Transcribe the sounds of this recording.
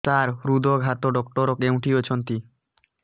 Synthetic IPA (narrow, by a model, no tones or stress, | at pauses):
t̪aɾɾud̪ʱoɡʱat̪oɖɔkʈoɾokew̃ʈiot͡ɕʰont̪i